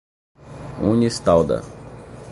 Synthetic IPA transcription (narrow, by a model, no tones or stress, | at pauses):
unist̪awd̪ɐ̰